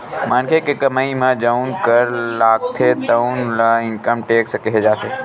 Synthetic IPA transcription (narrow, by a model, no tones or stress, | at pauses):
mãnkʰekkɐmaːimãd͡ʑəũnkəɾlaːk̚t̪ʰet̪əunlaɪ̃nkəmʈeːksəkeɦed͡ʒaːt̪ʰeː